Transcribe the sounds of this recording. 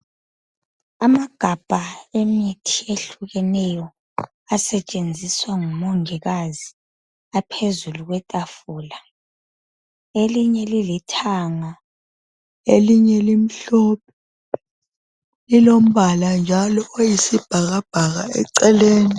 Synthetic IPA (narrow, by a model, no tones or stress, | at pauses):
amaɡ̥ʱab̥ʱaemitʰieɬuɣɛnɛjɔ | asɛt͡ʃʼend͡zʱiswaŋumoŋiɣazi | apʰezuluɣ̬wɛtʼafuːla | eliɲɛlilitʰaŋa | eliɲɛlim̩ɬɔp̚ʰɛ | lilom̩βaland͡ʒʱalɔojisib̥ʱaɣab̥ʱaɣ̬aɛ̰ǀɛleːni